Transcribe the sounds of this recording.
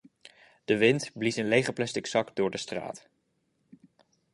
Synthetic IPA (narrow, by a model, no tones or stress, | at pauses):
d̥əʋɪntblisɪnlejχəɹplɛstɪksɑkdʊːɹdəstra̰ːt